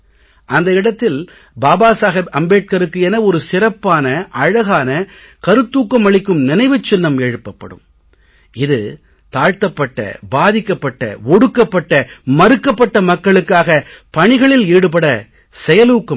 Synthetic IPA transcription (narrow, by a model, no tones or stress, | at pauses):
ʔɐnd̪ɐɪɽɐt̪ːɪl | baːbaːsaːɣɐɾɐmbeːʈ̚kɐɾɯkːɯɛnɐɔɾɯsɪrɐpːaːnɐʔɐɻɐɣaːnɐ | kɐɾɯt̪ːuːkːɐmɐɭɪkːɯmnɪnɐɪʋɯt͡ʃːɪnːɐmeɻɯpːɐpːɐ̰ɽɯ̰m | ɪðɯ̰ | t̪aːɻt̪ɐpːɐʈːɐ̰baːðɪkːɐpːɐʈːɐ̰ɔɽɯkːɐpːɐʈːɐmɐɾɯkːɐpːɐʈːɐmɐkːɐɭɯkːaːɣɐpɐɳɪɣɐɭɪliːɽɯp̬ɐɽɐ | sɛjɐluːkːɐ